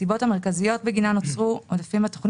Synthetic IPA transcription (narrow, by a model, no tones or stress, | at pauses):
ibo̞thameʁkazijo̞t̚beɡinanot͡sʁuodafimhat̪o̥χn